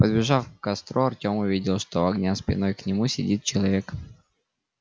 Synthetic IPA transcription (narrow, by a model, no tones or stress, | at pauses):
pəd̪bʲɪʐɑfkɐst̪ɾoɐrtʲo̞mʊvʲidʲɪlˠʂt̪oɐɡnʲaspʲɪ̰no̞jknʲɪmusʲɪdʲit̪̚t͡ɕɪlˠɐvʲe̞k